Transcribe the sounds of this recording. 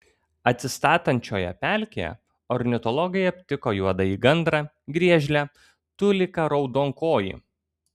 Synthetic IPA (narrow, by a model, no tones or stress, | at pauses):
ɐt̪ʲsʲɪst̪ɑːt̪ɐnʲt͡ʃʲoːjɛ̰pʲælʲkʲḛjɛ̰ | ɔɾʲnʲɪt̪ɔlˠɔɡɐɪɐpʲt̪ʲɪkoːjuɔd̪ɐiːɡɐnd̪ɾɑ | ɡɾʲiɛʒʲlʲɛ | t̪ʊlʲɪkɐɾɒʊd̪oːŋkoːjḭ